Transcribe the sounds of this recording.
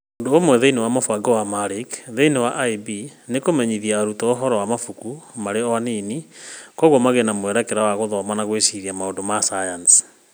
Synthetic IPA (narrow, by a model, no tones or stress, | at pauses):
odoomwɛðeinewamofwaɡɔwamaɾikðeinewaʔaibinekomɛɲiðiaɾutɔoɦɔɾɔwamafukumaɾeɔaneːnikɔɣwɔmaɣenamoɛɾakɛɾawaɣoðɔmanaɣwesiðiamaondomasajans